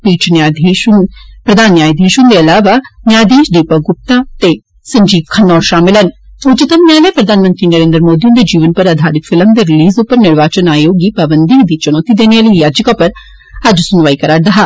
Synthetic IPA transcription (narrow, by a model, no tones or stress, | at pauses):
piːt͡ʃʰnaeʃpɾəd̪ʱaːnːjaːjd̪ʱeːʃʊ̃nd̪eːɐlaːʋaːnjaːd̪eːʃɖ̪eːpaɡʊp̚t̪aːt̪eː | sə̃ɲd͡ʒiːpkʰənːɔːɾʃaːmɪlənʊt͡ʃɪt̪əmnjaːleːpɾəd̪ʱaːnmə̃nt̪ɾiːnəɾeːnd̪ɾmoːd̪iʊ̃nd̪eːd͡ʒiːʋənpəɾəd̪ʱaːɾɪt̪fʰɪləmd̪eːɾɪliːzʊpːəɾnɪɽʋaːt͡ʃənaːjoːɡiːpabənd̪id̪iːt͡ʃənɔːt̪id̪eːneaːləijaːd͡ʒkaːpəɾ | əd͡ʒsʊnʋaːikəɾaːɾd̪əɦaː